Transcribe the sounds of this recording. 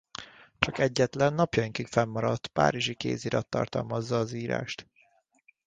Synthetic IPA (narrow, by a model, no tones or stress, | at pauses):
t͡ʃɒkɛɟːɛt̪lɛnːɒpjɒiŋkikfɛmːɒɾɒt̪ːpa̰ːɾiʒikḛːziɾɒt̪ːɒ̰rt̪ɒ̰lmɒzːɒːziːɾa̰ːʃt̪